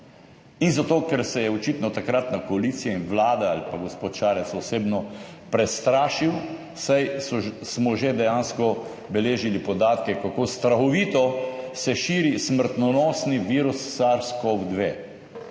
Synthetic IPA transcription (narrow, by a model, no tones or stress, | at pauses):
inzat̪oːkɛɾsɛjɛɔt͡ʃit̪nɔt̪akɾat̪nakɔaliːt̪sijainʋlaːd̪aalipaɡospoːt̪ʃaːɾɛsɔseːbnɔpɾɛst̪ɾaːʃiw | sajsɔsmɔʒed̪ɛjaːnskɔ | bɛleːʒilipɔd̪aːt̪kɛkakoːst̪ɾaxɔʋiːt̪ɔsɛʃiːɾisməɾt̪nɔnɔsniʋiːɾusːaɾskɔwd̪ʋeː